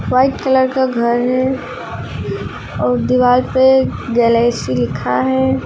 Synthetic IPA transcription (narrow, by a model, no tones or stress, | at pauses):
waːɪʈkələɾkaɡʱəɾɦɛ | ɔːɾd̪ɪwaːlped͡ʒɛːlɛːsilɪkʰaɦɛː